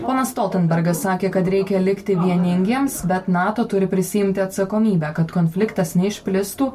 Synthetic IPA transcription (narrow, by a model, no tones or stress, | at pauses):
poːnɐsst̪ɔːlˠʲt̪ʲɛnbʲɛɾɡɐsːɑːkʲeːkɐt̪ɾʲɛɪkʲɛlʲɪkt̪ʲɪʋʲiɛnʲɪŋʲɡʲiɛmsbʲɛt̪nɑːt̪oːt̪ʊɾʲɪpʲɾʲɪsʲɪjɪmʲt̪ʲɪɐt̪sɐkoːmʲiːbʲæːkɐt̪koːnʲfʲlʲɪkt̪ɐsnʲɛɪʃʲpʲlʲɪsst̪uː